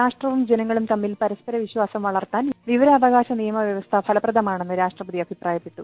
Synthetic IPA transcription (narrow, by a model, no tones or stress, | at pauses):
aːʂʈrɐʋumd͡ʑenɐŋːɐɭumt̪ɐmːilpɐɾɐspɐɾɐʋiɕwaːsɐmʋɐɭɐrt̪aːnʋiʋɐɾɐːʋɐɣaːɕɐnijɐmɐʋjɐʋɐst̪ʰɐpʰɐlɐprɐd̪ɐmaːɳe̞nːɨɾaːʂʈrɐpɐd̪iɐbʱipraːjɐpːeʈːu